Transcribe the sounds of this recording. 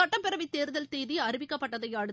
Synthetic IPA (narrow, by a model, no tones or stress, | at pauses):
ɐʈːɐmpɛɾɐʋɪt̪ːeːɾɯðɐlt̪eːðiɐɾɪʋɪkːɐpːɐʈːɐðɐɪjaːɽɯ